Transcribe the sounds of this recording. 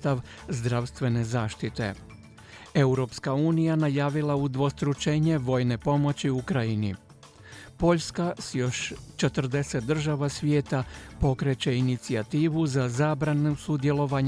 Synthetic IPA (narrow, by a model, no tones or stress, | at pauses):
t̪aʋ | zd̪ɾaʋst̪ʋe̞ne̞zaːʃt̪it̪e̞̰ | e̞uɾo̞pskauːnijanajaːʋilaud̪ʋo̞st̪ɾut͡ʃeɲe̞ʋo̞ːjne̞po̞mo̞t͡ɕiukɾajinḭ | po̞ʎskasjo̞ʃt͡ʃe̞t̪r̩d̪e̞se̞t̪̚d̪r̩ʒaʋasʋje̞ːt̪apo̞kɾe̞t͡ɕe̞init̪siat̪iːʋuzazaːbɾanusud̪je̞lo̞ʋaɲ